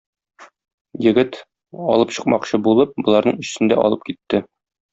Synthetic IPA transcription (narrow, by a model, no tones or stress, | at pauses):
jɘ̆ɡɘt̪ | ɒ̰lˠɤpɕɤ̆q̚mɑqɕɤbulˠɤp̚bŏlˠɑɾnɤɴɘ̆ɕt̪ɘ̆nd̪æʔɒ̰lˠɤp̚kit̪ːɘ